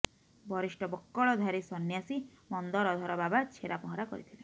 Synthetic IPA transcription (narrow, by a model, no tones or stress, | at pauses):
bʱɔɾisʈɔbɔkːɔɭɔd̪ʱaɾisɔnːjasimɔnd̪ɔɾɔd̪ʱɔɾɔbabat͡ʃʰeɾapɔɦɔɾakɔ̰ɾḭt̪ʰilɛ